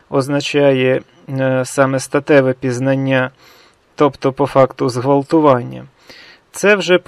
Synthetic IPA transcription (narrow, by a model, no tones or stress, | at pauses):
ɔznɐt͡ʃɑjɛ | sɑmɛst̪ɐt̪ɛʋɛpʲiznɐnʲːa | t̪ɔpt̪ɔpɔfɑkt̪ʊzɦʋɐlˠt̪ʊʋɑnʲːɐ̰ | t̪sɛwʒɛp